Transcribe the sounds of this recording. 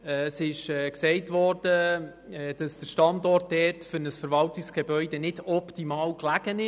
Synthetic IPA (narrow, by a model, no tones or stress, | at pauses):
ɛsɪʃɛːksɛɪtvɔrd̥ə | d̥ɑsd̥əɾʃtɑndɔrt̚dɛːtfʏɾnəsfəɾvɑltɪksɡ̥ebœʏdɛnɪdɔptimɑːlklæɡ̥ənɪ